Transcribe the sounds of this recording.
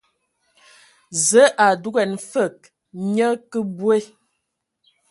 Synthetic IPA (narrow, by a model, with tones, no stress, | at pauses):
zə˨˦ʔa˨du˦ɡɛ˨nfə˦˨k̚ | ɲə˦kə˦bwe˦˨